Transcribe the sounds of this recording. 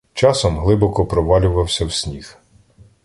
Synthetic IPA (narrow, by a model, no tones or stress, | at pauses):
t͡ʃɑsɔmɦlˠɪbɔkɔpɾɔʋɑlʲʊʋɐwsʲɐwsʲnʲix